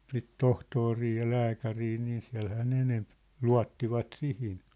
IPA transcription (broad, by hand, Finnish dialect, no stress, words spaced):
sit tohtori jɑ læːkæriː niː siæ̝lhæː ne enemp luɑ̝tːiʋɑt sihin